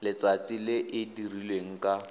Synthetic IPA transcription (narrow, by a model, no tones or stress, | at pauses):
lɪt͡sat͡sʼilɪʔɪdirilweŋ̩kʼa